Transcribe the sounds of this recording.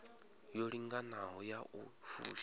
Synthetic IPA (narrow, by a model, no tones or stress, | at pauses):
joɺiŋɡanaɦɔjaʔufṵːʃ